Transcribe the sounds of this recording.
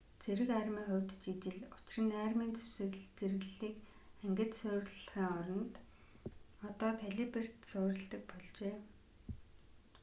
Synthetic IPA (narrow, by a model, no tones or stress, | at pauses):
t͡sʰeɾɘ̆kærmiːŋχʊwʲt̪t͡ɕit͡ɕɪ̆ɮʊt͡ɕɪ̆rɘ̆næːrmiːnt͡sʰɵ̥sɘ̆ɣɮt͡serɣɘɮiːk | æŋɡʲɘ̆t̪sʊːrɮɮχiːŋɔɾɞ̆nt̪ | ɔt̪ɔːt̪ʰeɮiper̥t̪sʊːɾə̆ɮt̪ə̆k̚pɔɮt͡ɕeː